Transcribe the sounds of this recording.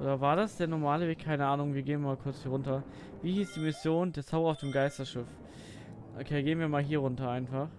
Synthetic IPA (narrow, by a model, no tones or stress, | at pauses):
ʔʔo̰ːdɐvaːɐdasd̥eːɐnɔɐmaːləveːkkʰaɪnəʔaːnʊŋviːɐɡeːənmaːlkʰʊɐt͡shiːɐʁʊntɐ | viːhiːsd̥iːmɪsjoːndeːɐt͡saʊbɐaʊfd̥eːmɡaɪstɐʃɪf | ʔo̰kʰeːɡeːənviːɐmaːlɦiːɐʁ̞ʊntɐʔaɪnfaχ